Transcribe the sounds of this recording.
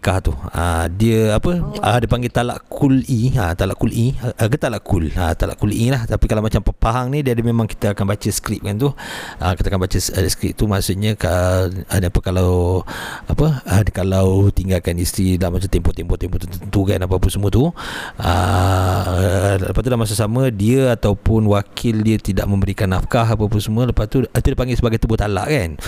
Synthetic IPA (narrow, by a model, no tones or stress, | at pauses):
kaht̪uə̰diəapəədipaŋɡet̪ala̰ʔkʰuliət̪alaʔkulʔiəɡət̪alaʔkulə̰t̪ala̰ʔkulʔilaht̪apikalawmat͡ʃampəpaɦaŋnidiadəmemãŋki̥t̪əakanbat͡ʃəsə̥kɾip̚kant̪uəkit̪akanbat͡ʃəssə̥kɾḭp̚t̪umasuʔ̚ɲəkəəniapəkalaw | apəəkalawt̪iŋɡalkanist̪ɾilahmat͡ʃat̪ɛmpɔt̪ɛmpɔt̪ɛmpɔt̪ət̪ənt̪ukanapapunsəmũət̪uə̰ | ləpast̪ulahmas̬asamədiəat̪awpʊnwakʰɪldiət̪idaʔmə̃mbəɾikanafkaɦap̬apusəmuələpast̪ut̪udipaŋɡɪsəbaɡajt̪ubʊht̪ala̰ʔkan